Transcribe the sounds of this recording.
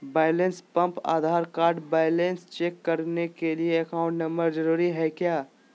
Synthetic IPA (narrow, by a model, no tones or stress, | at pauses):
baːɪlẽnspə̃mpa̰ːd̪ʱaːɾkaːɾɖbaːɪlenst͡ʃeːkːɐɾnekelieɐkaːʊ̃ɳʈnɐ̃mbəɾd͡ʒəɾuːɾiɦɛkjaː